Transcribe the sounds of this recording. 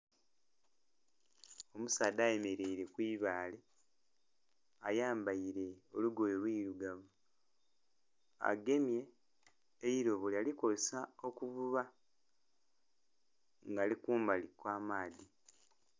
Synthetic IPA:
omusaːd̪aːje̞me̞ɾe̞iɾe̞kwiːβaːle̞ | ajaːmbaiɾe̞o̞luɡojelwiːɾuɡaβu | a̰ɡe̞mje̞ː | iɾo̞βolealikosao̞kuβuβa | ŋɡaːlikuːmbalikwaːmaːdi

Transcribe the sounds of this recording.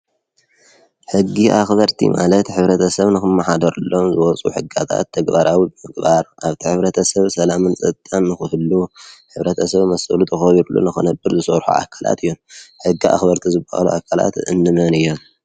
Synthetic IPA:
ħɨɡːiʔaxbɐɾt̪ʰḭmʔa̰lɐt̪ħɨβɾɐt̪ʰɐsɐβnɨxɨmːɐħad̪ɐɾulːo̞mzɨwɔt͡sʼṵħɨɡat̪ʰa̰t̪ʰːɐɡbaɾʔawibɨmɨɡbaɾʔaβt̪ʰiħɨβɾɐt̪ʰɐsɐβsɐlamɨnt͡sʼɐt̪t̪ʼːanːɨxɨhɨlːuħɨβɾɐt̪ʰɐsɐβmɐsɐlut̪ʰɨxɐβiɾulːṵnɨxɨnɐbːɨɾzɨsɐβɾħṵʔa̰kʰala̰t̪ʰɨjːonħɨɡːia̰xbɐɾt̪ʰizɨbaha̰luʔakʰala̰t̪ɨ̰nːɨmɐnɨjːom

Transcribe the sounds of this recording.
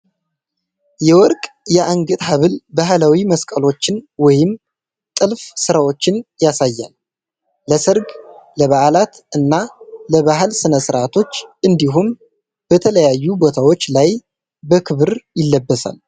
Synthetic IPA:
jɛwɔɾkʼjɛʔaŋɡɨt̪ʼɦaβɨlbaɦlawiməskʼəlo̞t͡ʃːɪnwɔjɪm | t̪ʼɨlfsɨɾawo̞t͡ʃːɪnjasajːa̰lː | əsɨɾɡləβaʔlat̪ʔɨnːaləβaɦɨlsɨnəsɨɾʔat̪ʰo̞t͡ʃːʔɨnd̪iɦum | b̥ət̪ʰələjajːubo̞t̪ʰawot͡ʃːlaj | bəkʰɨβɨɾjɪlːəbːəsa̰l

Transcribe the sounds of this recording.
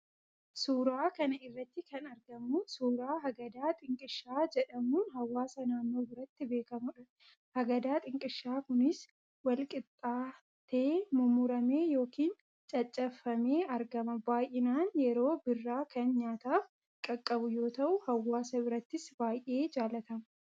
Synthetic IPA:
suːɾaːkɐnɐɪrːɐt̪ːɪkɐnɐɾɡɐmʊsuːɾaːɦɐɡɐd̪aːt̪ʼɪŋkʼɪʃːaːd͡ʒɛᶑɐmuːnɦɐwːaːsɐnaːnːo̞ːbɪɾɐt̪ːɪbe̞ːkɐmʊᶑɐ | hɐɡɐd̪aːt̪ʼɪŋkʼɪʃːaːkʊnɪs | wɐlkʼɪt̪ʼːaː | t̪eːmʊmʊɾɐmeːjo̞ːkiːn | t͡ʃʼɐt͡ʃʼːɐfɐme̞ːɐɾɡɐmɐbaːjʔɪnaːnjɛɾo̞ːbɪrːaːkɐnɲaːt̪aːf | kʼɐkʼːɐbʊjo̞ːt̪ɐʔʊhɐwːaːsɐbɪɾɐt̪ːɪsbaːjʔe̞ːd͡ʒaːlɐt̪ɐmɐ

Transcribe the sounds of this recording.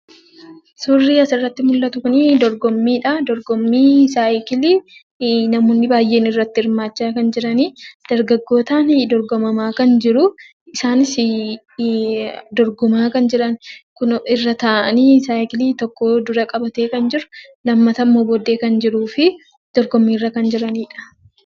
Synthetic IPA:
sʊrːiːɐsɪrːɐt̪ːɪmʊlːɐt̪ʊkʊniːd̪ɔɾɡɔmːiːᶑɐd̪ɔɾɡɔmːiːsaːkɪli | nɐmoːnːɪbaːjːe̞ːnɪrːɐt̪ːɪɪɾmaːt͡ʃːaːkɐnd͡ʒɪɾɐniːd̪̥ɐɾɡɐɡːo̞ːt̪aːnd̪ɔɾɡɔmɐmaːkɐnd͡ʒɪɾʊ | ɪsaːnɪs | d̪ɔɾɡɔmaːkɐnd͡ʒɪɾɐnkʊɪrːɐt̪ɐʔɐniːsaːɪkɪliːt̪ɔkːoːd̪ʊɾɐkʼɐbɐt̪e̞ːkɐnd͡ʒɪɾʊ̥ | lɐmːɐt̪ɐmːoːboːd̪ːe̞ːkɐnd͡ʒɪɾuːfɪ | d̪̥ɔɾɡɔmːiːrːɐkɐnd͡ʒɪɾɐniːᶑɐ̥

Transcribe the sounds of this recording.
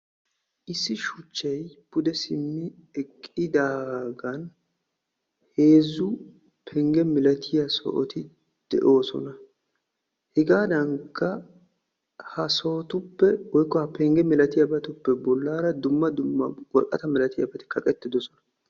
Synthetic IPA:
ʔɪsːɪʃʊt͡ʃːɛjbʊd̪ɛsɪmːɪɛkʼːɪd̪aːɡɐn | he̞ːzːʊ | pʰɛŋɡɛmɪlɐt̪ʰɪjɐsɔ̰ʔɔ̰t̪ɪ | d̪̥ɛ̰ʔo̞ːsɔ̰nɐ | hɪɡaːd̪ɐŋkʰːɐ | hɐsɔːt̪ʊpːɛwɔjkːɔhɐpɛŋɡɛmɪlɐt̪ɪjɐbɐt̪ʊpːɛbɔlːaːɾɐd̪ʊmːɐd̪ʊmːɐ̰wɔlkʼːɐt̪ɐmɪlɐt̪ɪjɐ̰bɐt̪ɪ̥kʰɐkʼɛt̪ːɪd̪ɔsɔnɐ̥

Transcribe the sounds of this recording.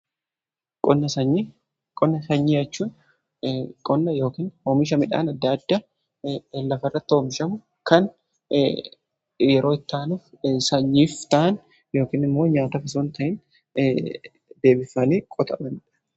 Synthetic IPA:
kʼɔnːɐsɐɲːi | kʼɔnːɐsɐɲːijɐt͡ʃːuːn | kʼɔnːɐjo̞ːkiːnhoːmɪʃ̬ɐmɪᶑa̰ːnɐd̪ːɐːd̪ːɐ | lɐfɐrːɐt̪ːɪoːmɪʃɐmʊ | kɐn | jɛɾo̞ːɪt̪ːaːnuːf | sɐɲːiːft̪ɐʔɐn | jo̞ːkiːnɪmːo̞ːɲaːt̪ɐkɐs̬oːnt̪ɐʔɪn | d̪e̞ːbɪfɐniːkʼɔt̪ʼɐbɐnᶑɐ̥

